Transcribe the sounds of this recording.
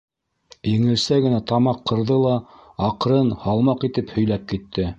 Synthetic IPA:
jɘ̆ŋɘ̆lsæɡɘ̆næt̪ɑmɑqʰːɤ̆ɾðɤlˠɑɑqɾɤnhɑlˠmɑqit̪ɘphɵ̆jlæp̚kit̪ːɘ

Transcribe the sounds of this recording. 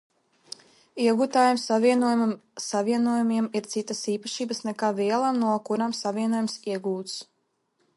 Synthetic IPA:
iɛɡuːt̪aːjumsaviɛnuɔjumumsaviɛnuɔjumiɛmiɾt̪sit̪ːasiːpaʃiːbəsnɛkaːviɛlˠamnuɔkuɾamsavʲiɛnuɔjumsiɛɡuːt̪s

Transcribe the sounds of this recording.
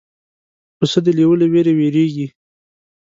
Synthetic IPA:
pəsəd̪əliwəleweɾeweɾeɡi

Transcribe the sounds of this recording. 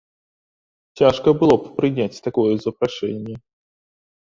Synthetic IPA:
t͡sʲaʂkəbɨlˠoppɾʲɨnʲæt͡sʲt̪akojəzəpɾaʂɛ̰nʲːɪjə

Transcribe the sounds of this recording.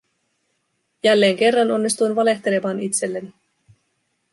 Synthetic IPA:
jælːe̞ːŋk̟e̞rːɑno̞nːist̪ujnʋɑle̞ht̪e̞le̞mɑːnit̪se̞lːeni

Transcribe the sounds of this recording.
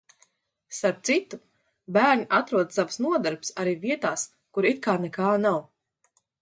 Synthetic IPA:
saɾ̚t̪sit̪u | bæːɾɲʲiʔat̪ɾuɔd̪savsnuɔd̪aɾpsaɾiːviɛt̪aːs | kuɾit̪̚kaːnɛkaːnaw

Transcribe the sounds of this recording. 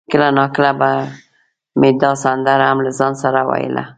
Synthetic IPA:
kəlanɑkəlaba | med̪ɑsand̪aɾamlazɑnsaɾawa̰jə̰la̰

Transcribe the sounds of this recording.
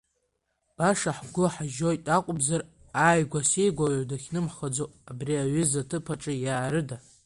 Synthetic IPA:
b̥aʂaħɡʷʊħaʒojtʼaqʷʼʊbzar | aːjɡʷasejɡʷaʕʷdaxʲnɨmħχad͡zoabriaɥʏzatʰɨpʰaʈ͡ʂʼɨjaːɾɨda

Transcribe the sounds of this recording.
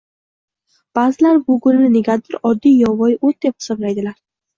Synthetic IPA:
b̥azɪlaɾbʊɡʊnɪnɪneɡʲat̪ɪɾɒd̪ːijɒvɒjot̪̚d̪e̞p̚χɨ̥sɒblajd̪ɪlaɾ

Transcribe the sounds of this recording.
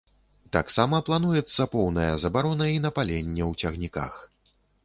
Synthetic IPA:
t̪aksamɐplˠanujɛt̪sːɐpɔwnɐjɐzɐbaɾɔnɐin̪ɐpalʲenʲːɛwt͡sʲɐɣnʲika̰x

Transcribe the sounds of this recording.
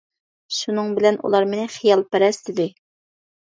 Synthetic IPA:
ʃunɨŋbɪlɛnṵlˠɑɾmɪnɪχijɑlˠpæɾɛst̪ɪd̪ɪ

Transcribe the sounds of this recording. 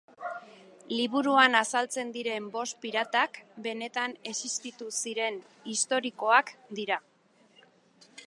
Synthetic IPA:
liβ̞uɾuanasalt͡se̞nd̪iɾe̞mbo̞spiɾat̪akbe̞ne̞t̪ane̞sist̪it̪usiɾe̞n | ist̪o̞ɾiko̞akd̪iɾa

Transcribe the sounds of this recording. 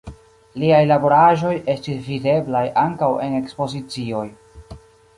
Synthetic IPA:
liajlabo̞ɾaʒo̞je̞stisvide̞blajʔaŋkawe̞ne̞kspo̞zit͡sio̞j

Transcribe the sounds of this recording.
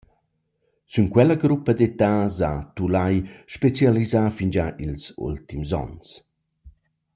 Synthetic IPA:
syŋkwɛləɡɾupːɐd̪et̪azat̪ulajʃpet͡sjalizafind͡ʒaʔilsṵlt̪imzɔ̰ns

